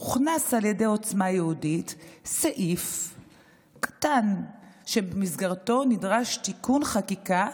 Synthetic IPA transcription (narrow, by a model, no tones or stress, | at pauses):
uχnasaljede̞o̞t͡smajehuditseʔif | kḁtanʃe̞bemizɡaʁto̞nidʁaʃtikunχakika